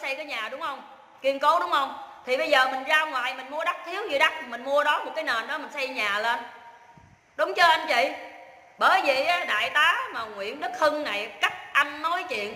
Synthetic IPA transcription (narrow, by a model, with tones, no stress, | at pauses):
sa˧jkaː˨˦jɲaː˨˩ɗʊ˨˦ŋ͡mhə˧wŋ͡m | ki˧ənko˨˦wɗʊ˨˦ŋ͡mhə˧wŋ͡mt̪ʰi˨˩ɓə˧jzəː˨˩mï˨˩ŋ̟zaː˧wŋwaː˨˩jmï˨˩ŋ̟mu˧əɗa˦˥t̚t̪ʰi˨˦əwɲi˧˩ɗa˦˥t̚mï˨˩ŋ̟mu˧əɗɔ˨˦mo˨˩t̚kaː˨˦jne˨˩nɗɔ˨˦m˨˩ŋ̟sa˧jɲaː˨˩le˧n | ɗʊ˨˦wŋ͡mt͡ɕəː˧ʔa˧nt͡ɕḭ˧˨ | ɓəː˨˩jvi˨˩ʔaː˨˦ɗa̰ː˧˨jt̪aː˨˦maː˨˩ŋwḭ˧˨ənɗɨ˦˥k̚hɨ˧ŋna˨˩jka˦˥k̚ʔa˧nːo˨˦jt͡ɕḭ˧˨ən